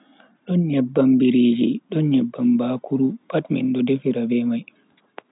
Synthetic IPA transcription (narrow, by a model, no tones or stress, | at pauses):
ɗɔnɲɛbːambiɾeːd͡ʒḭɗɔnɲɛbːambaːkʰuɾupatmḭnɗɔdefiɾabɛmaj